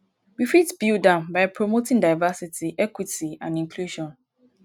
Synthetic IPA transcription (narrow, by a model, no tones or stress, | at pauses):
wifitbildãmbaɪpʰɹomotĩŋdaɪvasitʰiʔɛkwitiã̰nĩŋkʰluʃɔ̃n